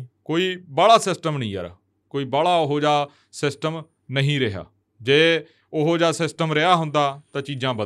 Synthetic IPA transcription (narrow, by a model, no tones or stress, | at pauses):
koːiːbaːɭaːsɪsʈəmnəĩːa̰ːɾa̰ː | koːiːbaːɭaːʊɦoːd͡ʒaː | sɪsʈəm | nəɦĩːɾəɦja̰ː | d͡ʒeː | ʊɦoːd͡ʒaːsɪsʈəmɾeɦaːɦʊnd̪aːt̪ãːt͡ʃiːd͡ʒãːbə